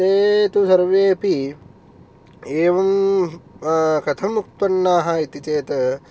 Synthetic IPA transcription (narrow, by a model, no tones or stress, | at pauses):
t̪eːt̪usɐɾʋeːpi | eːʋɐm | kɐt̪ʰɐmuk̚t̪ʋɐnːaːɦɐit̪it͡seːt̪ɐ